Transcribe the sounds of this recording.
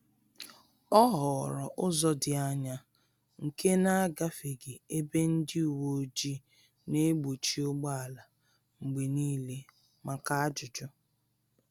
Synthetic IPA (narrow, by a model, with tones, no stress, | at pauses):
ɔ˦ɦɔ˨ɾɔ̰˨ʔʊ˦zɔ˦dɪ˨a˦ɲa˦ | ŋ̩˨ke˦na˦a˦ɡa˦fe˨ɡe˨e˦be˦n̩˦dɪ˦u˨wo˨˦d͡ʒi˦ | ne˦ɡ͡bo˨t͡ʃi˦ʊ˦ɡ͡ba˦a˨la˨ | ŋ͡m̩˨ɡ͡be˨niː˦le˦ | ma˨ka˦a˦d͡ʒʊ˨d͡ʒɔ˦